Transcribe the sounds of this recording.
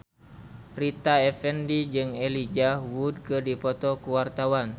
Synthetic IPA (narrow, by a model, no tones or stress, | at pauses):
rit̪aɛfɛndid͡ʒɨŋɛlid͡ʒawud̚kɨdipɔt̪ɔkəwart̪awan